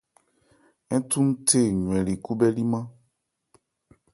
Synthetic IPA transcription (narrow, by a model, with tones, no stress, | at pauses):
ɛ̃˦t̪ũ˦m̩˦tʰe˦˨ɲũ˨ɛ̃˨li˨ku˦bɛ˦li˦mã˦